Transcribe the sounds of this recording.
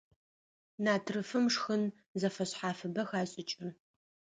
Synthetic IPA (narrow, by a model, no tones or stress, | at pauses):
naːtʰrɨfɨmʂxɨn | zɐfɐɕħaːfɨbɐxaːɕʼɪt͡ʃʼɪr